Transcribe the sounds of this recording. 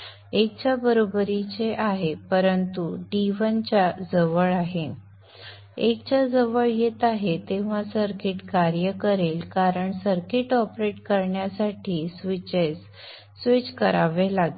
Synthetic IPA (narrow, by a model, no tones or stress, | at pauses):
ek̚t͡ɕjabəɾobɾit͡seʔaɦepəɾənt̪uɖiʋənt͡ɕad͡zəʋəɭaɦe | ek̚t͡ɕad͡zəʋəɭjet̪aɦet̪eʋ̤asəɾkiʈkaɾjəkəɾelkaɾəɳsəɾkiʈɔpɾeʈkəɾɳjasaʈʰiːsʋit͡ɕesː | ʋit͡ɕkəɾaʋelaɡe